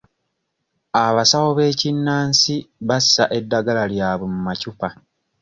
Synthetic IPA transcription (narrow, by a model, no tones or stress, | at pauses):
aβasawoβe̞ːcinːaːnsiβasːaʔe̞dːaɡalaljaːβwemumacupa